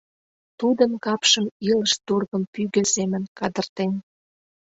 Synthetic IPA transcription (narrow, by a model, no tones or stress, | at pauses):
t̪ud̪ənkɑpʃəmiləʃt̪urɣəmpyɣø̆semə̆nkɑd̪ərt̪en